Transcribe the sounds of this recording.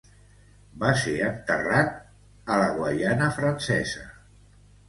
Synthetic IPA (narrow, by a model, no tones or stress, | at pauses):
baseənt̪ərat̪̚ | ələɣwaʎanəfɾənsɛ̰zə